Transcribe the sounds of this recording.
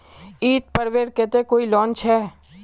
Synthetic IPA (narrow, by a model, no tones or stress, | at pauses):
iːt̪̚pəɾʋeːɾket̪ekoːilɔːnt͡ʃʰɛː